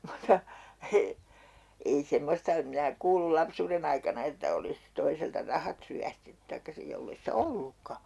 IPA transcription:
mutːɑ e ei semːostɑ em minæ kuːlul lɑpsuːren ɑikɑnɑ etːæ olis toiseltɑ rɑhɑt ryæstetːy tɑikːɑ sij jolːei sĭtæ olːukːɑ

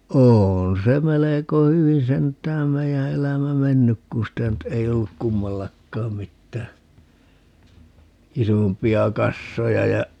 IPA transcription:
oːn se meleko hyʋi sentˑæːm meijæ elæmæ menːyk kũː sitæ nyt ei olːuk kumːɑlːɑkːɑːm mitːæː isompiɑ kɑsːojɑ jɑ

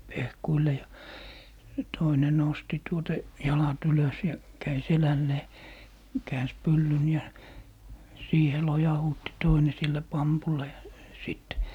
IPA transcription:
pehkuile jɑ jɑ toine nosti tuotɑ jɑlɑt yløs jɑ kæi selælːeː kæːns pylːyn jɑ siːhe lojɑhuːtːi toine silːæ pɑmpulːɑ jɑ siˑt

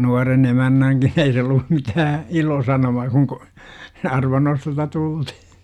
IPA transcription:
nuɑren emænːæŋkin ei se olːu mitæː ilosɑnomɑː kuŋ kə̆ ɑrʋɑnːostostɑ tultih

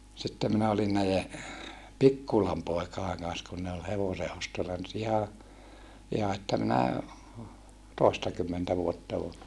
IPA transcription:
sitːe minæ olin næije pikːulɑm poekɑeŋ kɑn̞s kun ne ol heʋoseʔostolːɑ nyt ihɑ ihɑ etːæ minæ toˑestɑkymːentæ ʋuotːɑ o

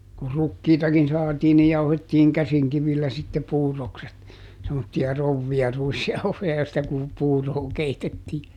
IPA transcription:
kur rukːiːtɑkin sɑːtiː ni jɑuhetːiːŋ kæsiŋkiʋilːæ sitːe puːrˑokset semːotːiɑ rouʋːiɑ ruisjɑuhojɑ joistɑ ku puːroː keitetːiː

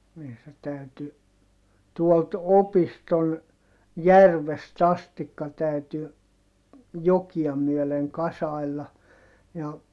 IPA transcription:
niː se tæyty tuolt opiston jærʋest ɑstikːɑ tæyty jokiɑ myøleŋ kɑsɑi̯lːɑ jɑ

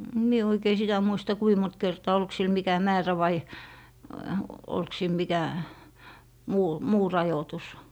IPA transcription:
em mie oikei sitæ muistɑ kui mont kertɑː olk sil mikæ mæːræ ʋɑ olk sil mikæ muː muː rɑjotus

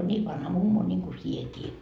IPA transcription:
on niː ʋɑnhɑ mumːo nʲiŋku siekiː

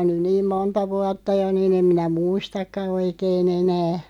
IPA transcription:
on nyn niːm montɑ ʋuɑtːɑ jo niːn em minæ muistɑkːɑ oikeːn enæ

